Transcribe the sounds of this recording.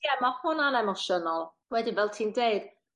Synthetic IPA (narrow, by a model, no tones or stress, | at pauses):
jɛmahʊnanɛmɔʃɔnɔlˠ | wɛdɪnvɛlˠtʰiːndeɨd̥